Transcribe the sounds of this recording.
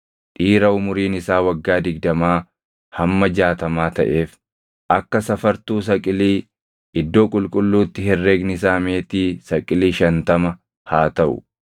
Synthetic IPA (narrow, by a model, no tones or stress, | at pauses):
ᶑʼiːɾɐʊmʊɾiːnɪsaːwɐɡːaːd̪ɪɡ̚d̪ɐmaː | hɐmːɐd͡ʒaːt̪ɐmaːt̪ɐ̰ʔe̞ːf | ʔɐkːɐsɐfɐɾt̪uːs̬ɐkʼɪliː | ʔɪd̪ːo̞ːkʼʊlkʼʊlːuːt̪ːɪhɛrːeːɡnɪs̬aːme̞ːt̪iːsɐkʼɪliːʃɐnt̪ɐmɐ | haːt̪ɐʔʊ̰